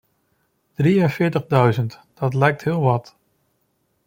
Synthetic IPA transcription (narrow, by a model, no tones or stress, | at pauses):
d̥riənvɪːɹtəχdœɥzəntd̥ɑtlɛjk̚tɦɪːlˠʋɑt